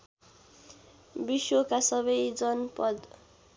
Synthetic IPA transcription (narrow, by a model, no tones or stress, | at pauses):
biswokasʌbʌjd͡zʌnpʌd̪